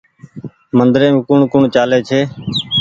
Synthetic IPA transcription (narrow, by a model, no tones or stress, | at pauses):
mənd̪ɾẽːmːkʊɳkʊɳt͡ʃaːleːt͡ʃʰeː